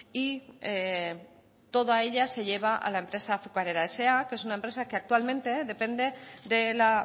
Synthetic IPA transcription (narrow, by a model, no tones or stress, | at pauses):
ie | t̪o̞ðae̞ʎase̞ʎe̞β̞aʔa̰lae̞mpɾe̞saːθukaɾe̞ɾae̞se̞ake̞s̬unaempɾe̞sakeak̚t̪ualmẽ̞nt̪e̞ðe̞pe̞nd̪e̞ðe̞la